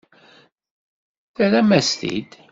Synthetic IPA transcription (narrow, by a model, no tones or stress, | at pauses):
θæɾæmæslḭd̪